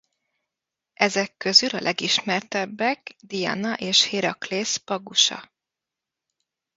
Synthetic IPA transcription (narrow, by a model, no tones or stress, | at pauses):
ɛzɛkːø̞zylɒ̰lʔɛɡiʃmɛrt̪ɛbːɛɡd̪ijɒ̰nɒʔeːʃheːɾɒkleːspɒɡuʃɒ̰